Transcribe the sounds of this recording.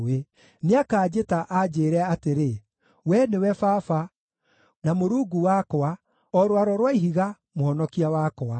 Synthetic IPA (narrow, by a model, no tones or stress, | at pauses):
e | neakaːd͡ʑetaʔad͡ʑeːɾɛaːteɾe | wɛnewɛfafa | namoɾuːɡuwakɔa | ɔɾwaɾɔɾwaiɦiɣa | mohɔnɔkiawakɔa